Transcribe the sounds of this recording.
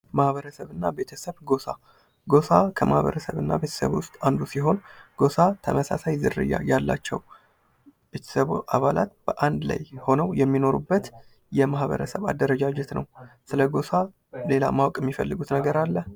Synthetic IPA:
mahβəɾəsəβɨnːabe̞t̪ʰəsəβɡo̞sa | ɡo̞sakʰəmahβə̰ɾəsəβɨnːa̰be̞t̪ʰə̥sə̰βwʊst̪ʼand̪usiɦo̞nɡ̥o̞sat̪ʰəməsa̰sajzɨɾɨ̰jːa̰jalːa̰t͡ʃːɛ̰w | be̞t̪ʰə̥səβʔaβalat̪b̥əʔand̪la̰jho̞nəwjɛmːino̞ɾubːət̪ | jɛmahβə̰ɾəsəβa̰d̪ːəɾəd͡ʒad͡ʒɛt̪nʔə̰wsɨləɡo̞sa | le̞la̰mawkʼɛmːifəlːɨɡut̪nəɡəɾalːə

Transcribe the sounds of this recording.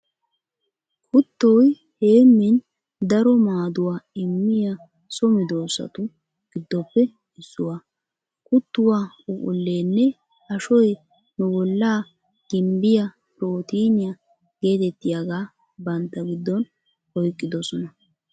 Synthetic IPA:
kʰʼʊt̪ːoj | he̞ːmːɪn | d̪ɐɾɔmaːd̪ʊwaːɪmːɪjɐ | sɔmɪd̪o̞ːsɐ̰t̪ʊ | ɡ̥ɪd̪ːɔpːɛ | ɪsːʊwa | kʼʊt̪ːʊwaː | ʊʔʼʊlːe̞ːnːɛ | ɐʃɔj | nʊbɔlːaː | ɡ̥ɪmbɪjɐ | pɾoːt̪iːnɪjɐ | ɡe̞ːt̪ɛt̪ːɪjaɡaː | bɐnt̪ːɐɡɪd̪ːɔn | hɔjkʼːɪd̪ɔsɔnɐ

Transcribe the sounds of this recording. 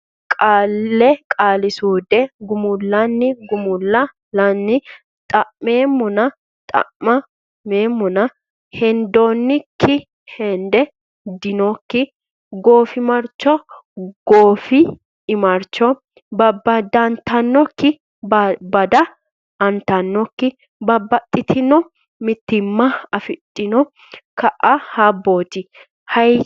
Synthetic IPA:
kʼaːlːɛkʼaːlɪsuːd̪ɛɡʊmʊlːɐnːɪɡʊmʊlːɐ | ɐnːɪ | t̪ʼɐʔme̞ːmːɔnɐ | t̪ʼɐ̰ʔːɐ | meːmːʊnɐ | hɛnd̪o̞ːnːɪkʰːɪ | hɛnd̪ɛ | d̪ɪnɔkːɪ | ɡo̞ːfɪmɐɾt͡ʃːɔ | ɡ̥oːfɪː | mɐɾt͡ʃːɔ | bɐbːɐd̪ɐnt̪ɐnːɔkːɪ | bɐd̪ɐ | ɐnt̪ɐnːɔkːɪ | bɐbːɐt̪ʼːɪt̪ʰɪnɔ | mɪt̪ːɪmːɐɐfɪt̪ʼːɪnɔ | kɐʔɐhabːo̞ːt̪ɪ | hɐj

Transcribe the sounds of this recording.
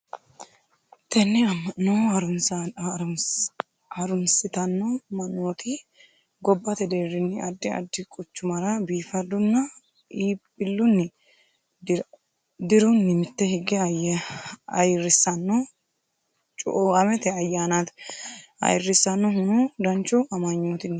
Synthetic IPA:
t̪ɛnːɛɐmːɐnːoːɐɾʊn | ɐɾʊnsɪt̪ɐnːoːmɐnːoːt̪i | ɡɔbːɐt̪ɛd̪eːɾːɪnːɪʔɐd̪ːɪɐ̰d̪ːɪkʼʊt͡ʃːʊmɐɾɐbiːfɐd̪ʊnːɐ | iːbɪlːʊnːɪ | d̪ɪɾʊnːɪmɪt̪ːɛhɪɡɛ | ɐjɪrːɪsːɐnːo | t͡ʃʼʊ̰ʔoɐmɛt̪ɛɐjːaːnat̪ | ɐ̰jɪrːɪsːɐnːɔhʊnud̪ɐnt͡ʃʊʔɐmɐɲːoːt̪ɪnː

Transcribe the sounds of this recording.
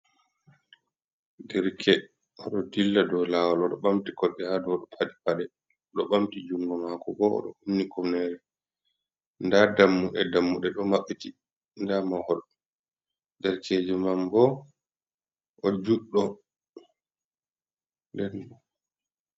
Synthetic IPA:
dɛɾkʰɛ | ɔɗɔdilːadɔlaːwalɔɗɔɓamtikɔɗːɛhadɔɗɔpʰadipaɗɛ | ɗɔɓamtid͡ʒuŋɡɔmakɔbɔɔ̰ɗɔ̰umːikɔmnɛɾɛ | ndadamːuɗɛ̰damːuɗɛɗɔmaɓːiti | ndamahɔl | dɛɾkʰeːd͡ʒɛmambɔ | ʔɔd͡ʒuɗːɔ | dɛn

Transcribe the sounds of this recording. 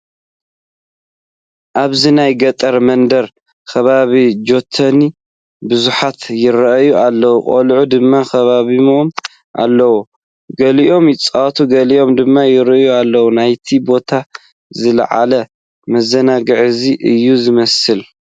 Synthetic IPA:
ʔaβzinajɡɐt̪ʼɐɾmɐnd̪ɐɾ | kʰɐβaβid͡ʒo̞t̪ʰːɐni | bɨzuħat̪jɪɾɐʔjuʔalːɐwukʼo̰lʕud̪ɨmːakʰɐβaβimom | ʔa̰lːɐwu | ɡɐliʔo̞mjɪt͡sʼat̪ʰuɡɐliʔo̞md̪ɨmːajɪɾɨjualːɐwunajt̪ʰibo̞t̪ʰa | zɨl̰ʕa̰lɐ | mɐzɐnaɡɨʕziʔɨjːuzɨmɐsɨl

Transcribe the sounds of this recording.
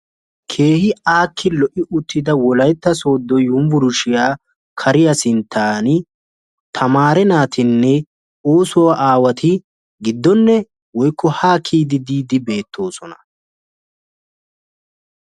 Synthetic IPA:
kʰe̞ːhɪaːkʰːɪlɔʔɪʔʊt̪ːɪd̪ɐwɔlɐjt̪ːɐso̞ːd̪ːɔjʊmvʊɾʊʃɪjaː | kʰɐɾɪjɐsɪnt̪ʰːaːnɪ | t̪ʰɐmaːɾɛnaːt̪ʰɪnːɛ | o̞ːsɔwɐʔaːwɐt̪ʰɪ | ɡɪd̪ːɔnːɛ | wɔjkʰːɔhaːkʰːiːd̪ɪd̪iːd̪ɪbe̞ːt̪ʰːo̞ːsɔnɐ

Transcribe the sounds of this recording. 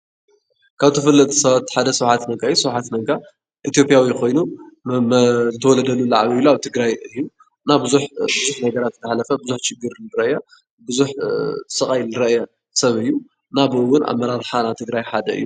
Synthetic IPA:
kʰaβt̪ʰɨfɨlːɐt̪ʰi̥sɐβat̪ːħad̪ɐsɐwħat̪nɐɡaɨjusɐwħat̪nɐɡa | ʔit̪ijo̞pʼjawikʰo̞jnu | zɨt̪ʰɐwɔlɐd̪ɐlːulaʕaβiβluaβt̪ʰɨɡɾajɨjːu | nabɨzuħbɨzuħnɐɡɐɾat̪t̪ʰɐħalɐfɐbɨzuħt͡ʃɪɡɨɾɨɾɐʔja | bɨzuħsɨkʼajlɨɾɐʔja | sɐβɨjːu | nabɨʔɨwʊnʔa̰βmːɐɾaɾħanaβt̪ʰɨɡɾajħad̪ɐɨ̰jːu

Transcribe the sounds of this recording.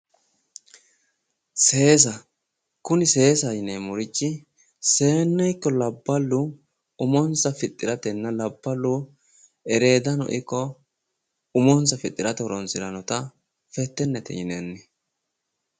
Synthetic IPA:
se̞ːs̬ɐ | kʊnɪse̞ːsɐjɪnemʊɾɪt͡ʃːɪ | se̞ːnːɛjkːɔlɐbːɐlːʊ | ʊmɔnsɐfɪt̪ʼːɪɾɐt̪ɛnːɐlɐbːɐlːʊ | ɛɾe̞ːd̪ɐnɔ̰ʔɪkːɔ | ʊmɔnsɐfɪt̪ʼːɪɾɐt̪ɛɾɔnsɪɾɐnɔt̪ɐ | fɛt̪ːɛnːɛt̪ɛ̰jɪnɛnːɛ

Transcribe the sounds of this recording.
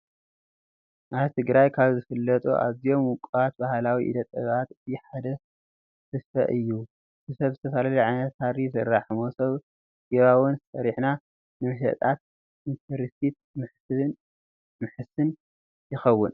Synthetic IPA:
ʔaβt̪ʰɨɡɾajkʰaβzɨfɨlːɐt̪ʼṵʔa̰zijo̞mwʊkʼat̪̚bahlawiʔḭd̪ɐt̪ʼɐɡat̪ɨt̪ʰiħad̪ɐ | sɨsfɐ̰ʔɨjːu | zɨsɐβzɨt̪ʰɐsalalliʕajnɐt̪haɾisɨrːaħɨmosɐβ | ɡiβawɨnsɐɾiħna | nɨmɨʃ̬ɐ̰t̪ʼat̪̚ | ʔint̪ʰɐɾit̪it̪̚ | mɨ | mɨħɨsɨn | jɪxɐwːʊn

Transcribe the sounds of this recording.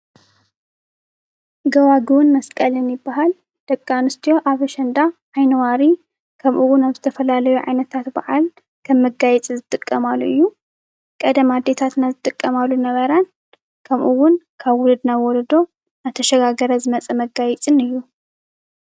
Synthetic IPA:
ɡɐwaɡɨwʊnmɐskʼɐlɨnjɪbːaɦal | d̪̥ɐkʼːanɨst̪ʰijo̞ʔaβɐʃɐnd̪a | ajnɐwaɾi | kʰɐmʔuwʊnaβzɨt̪ʰɐfɐlalɐjuʕa̰jnɐt̪ʰat̪ba̰ʕal | kʰɐmːɨɡajɛt͡sʼizɨt̪ʼɨkʼːɐmalːuɨjːu | kʼɐd̪ɐmad̪ːet̪ʰat̪nazɨt̪ʼɨkʼːɐmalːunɐβɐɾan | kʰɐmʔuwʊnkʰaβwʊlɨd̪nawɔlɐd̪o̞ | nat̪ʰɐʃɐɡaɡɐɾɐzɨmɐt͡sʼɐmɐɡajɛt͡sʼɨnɨjːu

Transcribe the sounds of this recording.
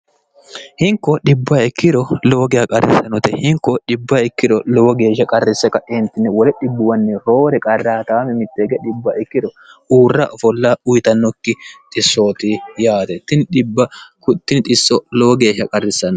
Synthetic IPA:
hɪŋkːɔɗɪbːɐɛkːɪd̪ɔloːɡɪjɐkʼɐrɛ̰sːɐnɔt̪ɛhɪŋkːɔɗɪbːɐɛkːɪd̪ɔlɔwɔɡe̞ːʃːɐkʼɐrːɪsːɛkɐʔɛnt̪ːɪnːɛwɔlɛɗɪbːʊwɐnːɪɾoːɾɛkʼɐrːaːt̪aːmɛmɪt̪ːeːɡɛᶑɪbːɐʔɪkːɪd̪ɔ | uːrːɐʔɔfɔlːɐʊjt̪ɐnːɔkːɪt̪ʼɪsːoːt̪ɪjaːt̪ɛt̪ːɪnɗɪbːɐkʊt̪ːɪnt̪ʼɪsːɔlɔwɔɡe̞ːʃːɐkʼɐrːɪsːɐnː

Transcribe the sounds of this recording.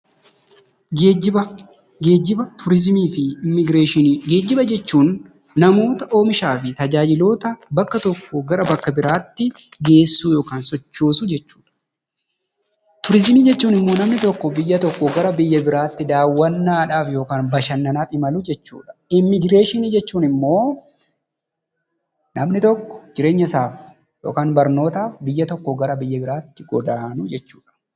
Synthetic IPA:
eɪ | ɡeːd͡ʒɪbɐt̪ʰʊɾɪzmiːfɪmːɪɡɾeːʃɪɡe̞ːd͡ʒːɪbɐd͡ʒɛt͡ʃːuːnː | ɐmo̞ːt̪ɐʔo̞ːmɪʃaːfɪt̪ɐd͡ʒaːd͡ʒɪlo̞ːt̪ɐbɐkːɐt̪ɔkːɔɡɐɾɐbɐkːɐbɪɾaːt̪ːɪɡe̞ːsːuːjo̞ːkaːnsɔt͡ʃːoːsʊd͡ʒɛt͡ʃːu̥ːᶑɐ̥ | t̪ʊɾɪzmiːd͡ʒɛt͡ʃːuːnɪmːo̞ːnɐmnɪt̪ɔkːɔbɪjːɐt̪ɔkːɔɡɐɾɐbɪjːɐbɪɾaːt̪ːɪd̪aːwːɐnːaːᶑaːfjo̞ːkaːnbɐʃɐnːɐnaːpʼɪmɐlʊd͡ʒɛt͡ʃːṵːᶑɐ̥ɪmːɪɡɾe̞ːʃɪnid͡ʒɛt͡ʃːuːnɪmːo̞ː | nɐmnɪt̪ɔkːɔ̥d͡ʒɪɾe̞ːɲːɐsaːf | jo̰ːkaːnbɐɾno̞ːt̪aːfbɪjːɐt̪ɔkːɔɡɐɾɐbɪjːɐbɪɾaːt̪ːɪɡɔd̪aːnʊd͡ʒɛt͡ʃːuːᶑɐ̥

